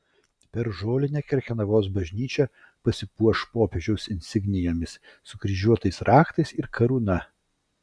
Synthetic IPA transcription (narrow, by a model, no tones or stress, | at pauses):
pʲɛɾʒoːlʲɪnʲɛkʲɛɾʲkʲɛnɐʋoːsbɐʒʲnʲiːt͡ʃʲɛ | pɐsʲɪpuɔʃpoːpʲeʒʲɛʊsɪnʲsʲɪɡnʲɪjoːmʲɪssʊɡɾʲɪʒʲuɔt̪ɐɪsɾʔɑːkt̪ɐɪsɪɾkʰɐɾuːnɐ